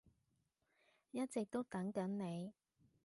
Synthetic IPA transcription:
jɐ˥t̚t͡sɪ˨k̚t̪o˥wt̪ɐ˨˥ŋkɐ˨˥nne˨˧j

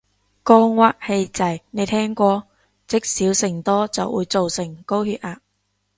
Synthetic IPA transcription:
kɔː˧ŋwaː˧˥k̚he˧jt͡sɐ˨jne˨˧jt̪ʰɛː˥ŋkʷɔː˧ | t͡sɪ˥k̚siː˨˥wsɪ˨˩ŋt̪ɔː˥t͡sɐ˨wṵː˨˧jt͡so˨wsɪ˨˩ŋko˥whyː˧t̚aː˧˥

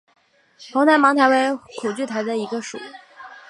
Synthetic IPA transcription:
pʰo˧˥ŋt̪ʰa˧˥mɑ˧˥ŋt̪ʰa˧˥we˧˥ɪkʰu˨˩t͡ɕy˥˩t̪ʰa˧˥ɪd̪ə˧i˧˥ɡə˧ʂṵ˨˩˦

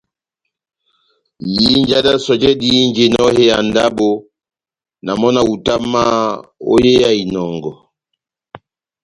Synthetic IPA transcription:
ji˦n˦d͡ʒa˦da˦sɔ˨d͡ʒɛ˦di˦nd͡ʒe˨nɔ˦he˦ja˨nda˦bo˦ | na˨mɔ˦na˦u˨ta˦ma˦o̰˦je˦ja˦i˨nɔ˨ŋɡɔ˨

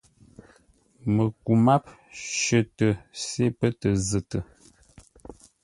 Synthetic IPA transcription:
mə˨ku˨ma˦p̚ | ʃə˦tə˨se˦pə˦tə˨zə˨tə˨

